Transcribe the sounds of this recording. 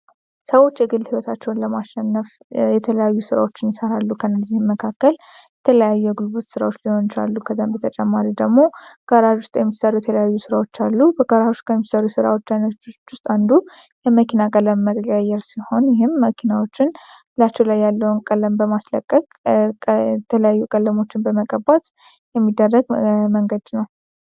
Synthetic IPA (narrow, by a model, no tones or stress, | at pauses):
səwo̞t͡ʃːjɨɡɨlːhiwət̪ʰat͡ʃːɛwnləmaʃɛnːəf | jɛt̪ʰələjajːusɨɾa̰wo̞t͡ʃːɪnjɪsəɾalːukʰənzːihməkʰakːəl | jɛt̪ʰələjajːujɛɡulbot̪sɨɾa̰wot͡ʃːliho̞nt͡ʃa̰lːukʰəzambət̪ʰət͡ʃʼɛmːaɾid̪əɡmo̞ɡ̥əɾaʒʊst̪ʼjɛmːisəɾujɛt̪ʰələjajːusɨɾawo̞t͡ʃːalːubəɡəɾaust̪kʰəjmːisəɾusɨɾa̰wo̞t͡ʃːajnət͡ʃʊst̪ʼand̪u | jɛməkʰinakʼələmːəkʼajɛɾsiho̞njɪɦɪmːəkʰinawo̞t͡ʃːɪnbɨlat͡ʃːɛwlajːalːəwunkʼələmbəmasləkʼːəkʼ | t̪ʰələjajːukʼəlːəmo̞t͡ʃːɪnbəməkʼəbat̪ | jɛmːid̪ːərːəɡməŋɡəd̪nəw